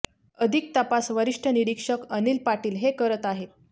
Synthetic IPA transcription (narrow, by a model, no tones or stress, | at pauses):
əd̪ʱik̚t̪apasʋəɾiʂʈʰəniɾikʂəkənilpaʈiːlɦekəɾət̪aɦet̪̚